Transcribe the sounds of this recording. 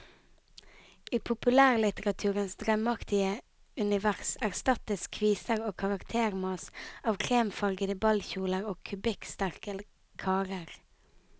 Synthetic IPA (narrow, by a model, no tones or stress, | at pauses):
iːpʰʊpʉlæːʁlɪt̪əʁɑt̪ʰʉːʁənsd̪ʁɛmɑkt̪ɪə | ʉnɪʋæʁsæʁst̪ɑt̪əskʰʋiːsəʁoːkʰɑʁɑkt̪ʰeːʁmɑːsɑːʋkʰʁeːmfɑʁɡəd̪əbɑlçuːləʁoːkʰʉbɪkst̪æʁkə | kʰɑːɾəʁ